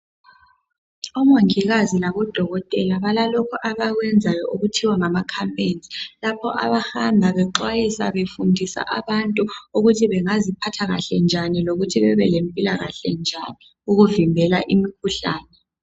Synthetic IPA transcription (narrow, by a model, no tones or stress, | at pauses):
ɔmoŋiɣazilaβɔd̥ʱɔɣɔtʼɛlaβalalɔkʰɔʔaβaɣwɛnd͡zʱajɔʔuɣutʰiwaŋamakʰampʼend͡zʱilapʰɔʔa̰βahambʱaβɛǃwajisa̰βefundʱisa̰ʔa̰βantʼuuɣutʰiβɛŋazipʰatʰaɣa̰ɬɛnd͡ʒʱaniloɣutʰiβɛβɛlempʼilaɣa̰ɬɛnd͡ʒʱani | uɣuvimbʱɛlaʔimikʰuɬa̰ːnɛ